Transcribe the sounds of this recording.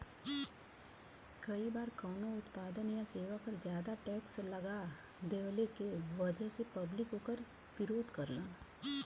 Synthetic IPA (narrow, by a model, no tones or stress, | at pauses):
kɐibaːɾkɔːnoʊt̪paːd̪ənjaseːʋakəɾzjaːd̪aʈɛːkslɐɡa | d̪eːʋlekeʋɐd͡ʒəɦsepɐblɪkɦoːkəɾ | pɪɾoːd̪kɐɾlãː